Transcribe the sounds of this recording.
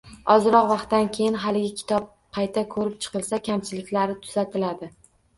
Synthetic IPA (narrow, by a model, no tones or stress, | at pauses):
ɒzɾɒqvɑqt̪ːankʲʰejɪnɦalɪɡʲɪkʲʰɪ̥t̪ʰɒp̚ | pʰajt̪ʰakʰɵɾɪp̚t͡ʃʰɨ̥qɨlˠsakʲʰamt͡ʃʰɪlɪkʲlaɾɪt̪ʰʊ̥z̥at̪ʰɪlad̪ɪ